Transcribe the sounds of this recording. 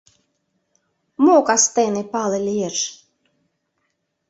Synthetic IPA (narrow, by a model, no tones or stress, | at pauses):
mokɑst̪enepɑlelʲierʃ